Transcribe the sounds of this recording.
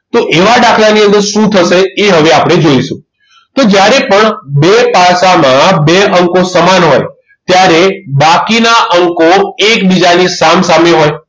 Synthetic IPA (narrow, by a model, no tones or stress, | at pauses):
t̪oʔeʋaɖakʰlaniə̃nd̪əɾʃũt̪ʰəʃeeɦəʋeapɽ̃ed͡ʒoiʃṵ̃ | t̪od͡ʒjaɾepəɳbepasamãbeəŋkosəmanɦo̰j | t̪jaɾebakinaʔəŋkoek̚bid͡ʒanisamsameɦoj